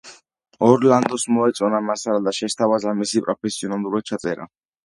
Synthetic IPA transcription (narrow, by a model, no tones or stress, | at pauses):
ɔɾland̪ɔsmɔɛt̪sʼɔnamasaɾad̪aʃɛst̪ʰavazamisipʼɾɔpʰɛsiɔnalˠuɾad̪̚t͡ʃʰat̪sʼɛɾa̰